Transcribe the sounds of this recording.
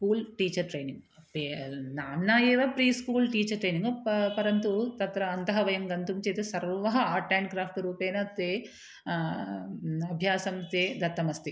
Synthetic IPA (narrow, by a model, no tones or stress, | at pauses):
skuːlʈiːt͡ʃɐɾʈɾeːniŋɡ | penaːmːaːjeːʋapɾiːskuːlʈiːt͡ʃɐɾʈɾeːniŋɡpɐɾɐnt̪ut̪ɐt̪ɾɐːnt̪ɐɦɐʋɐjɐmɡɐnt̪umt͡ʃeːt̪esɐɾʋɐɦɐaːʈaːnkɾaːpʰʈɾuːpɛːnɐt̪eː | ɐbʱjaːsɐmt̪eːd̪ɐt̪ːɐmɐst̪i